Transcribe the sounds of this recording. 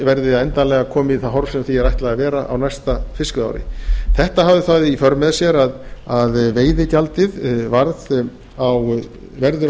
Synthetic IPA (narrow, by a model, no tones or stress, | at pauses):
vɛɾðɪaɛnt̪alɛːɣakʰɔːmɪiθaɦɔɾv̥sɛmθiɛɾajht̪lɛɣavɛːɾaʔa̰wnajst̪afɪskʏða̰wɾɪ̰θɛht̪aɦavðɪθaðifœɾmɛðsjɛɾaðaðveːjðɪcalt̪ɪðvaɾð | aw | vɛɾðʏ